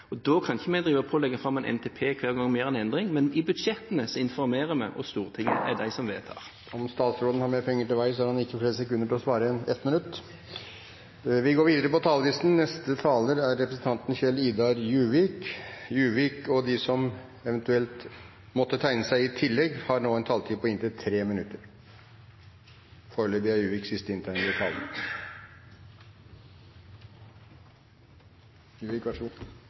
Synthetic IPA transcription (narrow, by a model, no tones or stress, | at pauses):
ɔd̪ɔkʰɑnɪçəmɛɪd̪ɾiːʋəpʰoːlɛɡːəfɾɑmːɛːnʔɛ̰nt̪ʰeːpʰeːkʰʋæːʁɡɔŋːmeːʁɛnɛnd̪ʁɪŋmɛnɪbʉd̪ʂɛt̪ːənəsɔɪnfɔɾmeːʁəmæ̰ɪʔɔ̰st̪uːʁət̪ʰɪŋːəɛd̪æɪsɔmʋḛːt̪ʰɑ̰ːʁ | ɔmst̪ɑːt̪sɾoːd̪n̩hɑɾmeːɾpʰɛŋːəʈɪlʋæɪsɔæɾhɑnɪkːəfleːɾəsɛkʉnːəʈɪlɔsʋɑːɾəɛnɛt̪mɪnʉt̪ː | ʋɪɡoːɾʋiːd̪əɾəpɔt̪ʰɑːləlɪst̪n̩nɛst̪ət̪ʰɑːləɾæɾːɛpɾəsn̩t̪ʰɑnt̪nçɛliːd̪ɑɾjʉːʋiːkjʉːʋiːkɔd̪ɪsɔmɛʋɛnt̪ʉɛlt̪ | mɔt̪ːət̪ʰæɪnəsæɪɪt̪ʰɪlːɛɡhɑɾnoːɛnt̪ʰɑːlt̪ʰiːpɔɪnt̪ɪt̪ʰɾeːmɪnʉt̪ːəɾ | foːɾled̪əæjʉːʋɪksɪst̪əɪnt̪ʰæɪʋ̪ɪt̪ʰɑ̰ːl | jʉːʋɪkʋæʂ